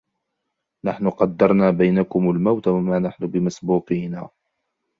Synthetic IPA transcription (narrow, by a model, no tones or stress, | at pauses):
naħnʊqɑd̪ːɑɾˤnaːbajnakʊmalmawt̪awamaːnaħnʊbɪmasbuːqiːnaː